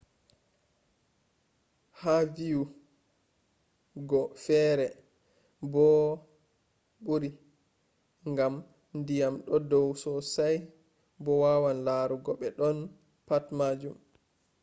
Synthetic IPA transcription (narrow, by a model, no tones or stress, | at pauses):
haviju | ɡɔfɛɾɛ | bɔ | buɾi | ŋɡam | ndijamɗɔdɔwsɔsaj | bɔwawanlaːɾuɡɔɓɛɗɔn | patmad͡ʒum